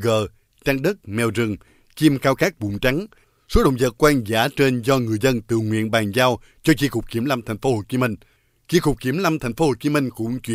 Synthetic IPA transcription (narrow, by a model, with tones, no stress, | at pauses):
ɣə̰ː˧˨ | t͡ɕaː˧ŋɗə˦˥t̚mɛ˨˩wzɨ˨˩ŋ | t͡ɕi˧mkaː˧wkaː˦˥k̚ɓʊ̰˨˧˩ŋ͡mt͡ɕa˨˦ŋ | so˨˦ɗə̰˧˨wŋ͡mzə̰ː˨t̚kwaː˧nzaː˧˩t͡ɕe˧nzɔ˧ŋɨ˨˩əjzə˧nt̪ɨ̰˧˨ŋwḭ˧˨ənɓaː˨˩nzaː˧w | t͡ɕɔ˧t͡ɕi˧kʊ˨˩k͡p̚t͡ɕi˧˩əmla˧mt̪ʰa˨˩jŋ̟fo˨˦ho˧˩t͡ɕi˨˦mi˧ŋ̟ | t͡ɕi˧kʊ˨˩k͡p̚ki˧˩əmla˧mt̪ʰɛ˨˩j̟fo˨˦ho˧˩t͡ɕi˨˦mï˧ŋ̟kʊ̰˧˥ŋ͡mt͡ɕwḭ˧